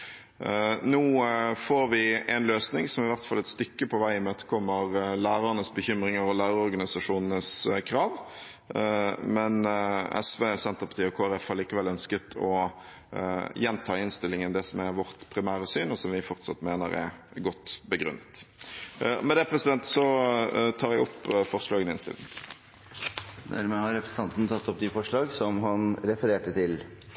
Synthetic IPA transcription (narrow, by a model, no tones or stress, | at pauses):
nuːfoːɾʋɪɛnløːsnɪŋsɔmɪʋæʁt̪fɑlːɛt̪st̪ʏkːəpʰɔʋæɪɪmøːt̪ə̥kʰɔmːəʁlæːɾɑənəsbəçʏmɾɪŋəɾɔlæːɾəɔɾɡɑnɪsɑʂuːnənəskʰɾɑːʋ | mɛnɛ̰sʋeːsɛnt̪əʁpʰɑt̪iːɔkʰoːæɾɛfhɑɾliːkəʋɛlːœnskət̪ʰɔ | jɛnt̪ʰɑːɪnst̪ɪlːɪŋənd̪ɛsɔmæʋɔʁt̪pʰɾɪmæːɾəsyːnɔsɔmʋɪfɔʁt̪sɑt̪ːmeːnə̰ɾɛ̰ɾɡɔt̪ːbəɡɾʉ̰nːət̪ | mɛd̪ɛpʰʁɛsɪd̪ɛnt̪sɔt̪ʰɑːɾæɪɔpːfɔʁʂlɑːɡənɪnst̪ɪ̰lɪ̰ŋ | d̪æ̰ɾmɛhɑɾɛpɾəsn̩t̪ɑnt̪nt̪ʰɑt̪ːɔp̚d̪ifɔʂɭɑːɡsɔmɦɑnɾɛfəɾeːʈət̪ʰɪl